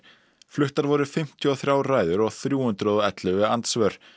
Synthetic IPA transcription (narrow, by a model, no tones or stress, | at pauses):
flʏht̪aɾvɔɾʏfɪm̥t̪ʰjʏɔθɾjaːwraːjðʏɾɔɣθɾjuːhʏnt̪ɾɔðɛt̪lʏɣvɛant̪svœɾ̥